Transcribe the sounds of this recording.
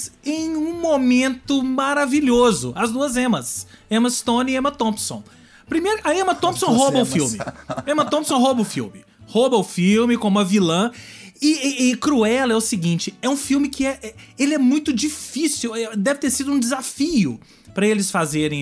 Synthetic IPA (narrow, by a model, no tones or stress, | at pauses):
zẽj̃ũmomẽnt̪ʊmaɾaviʎozʊ̰ɐzd̪uɐzẽmɐsẽmɐst̪õnɪẽmɐt̪õpsõ̰w̃ | pɾimejɾɐẽmɐt̪õpsõɦobɐʊfiwmɪẽmɐt̪õpsõw̃ɦobɐʊfḭwmɪ | hobɐʊfiwmɪkõmʊɐvilɐ̃ɪɪkɾuɛlɛʊsɪɡĩt͡ʃɪɛũfiwmɪkɪɛʔɛelɪɛmũj̃t̪ʊd͡ʒifisuwɛd̪ɛvɪt̪eɾsid̪ʊũd͡ʒɪzafijʊ | pɾɐelɪsfazeɾẽj̃